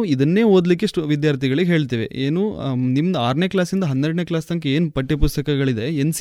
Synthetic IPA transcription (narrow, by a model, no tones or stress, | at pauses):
id̪ɐnːe̞ːɦoːd̪likːeʂʈuʋid̪jaːɾt̪ʰiɡɐɭiɡeɦe̞ːɭt̪iːʋe̞̰eːnuːnimːɐd̪ɐaːɾneːklaːsind̪ɐɦɐnːeɾɖneːklaːst̪ɐŋkeeːnpɐʈːipust̪ɐkɐɡɐɭid̪e̞ens